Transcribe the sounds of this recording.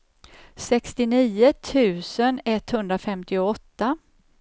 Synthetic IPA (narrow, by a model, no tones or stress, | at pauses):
sɛkst̪ɪniːət̪ʰʉ̟ːsənɛt̪ːhɵnd̪ɾafɛmt̪ɪʊɔt̪ːa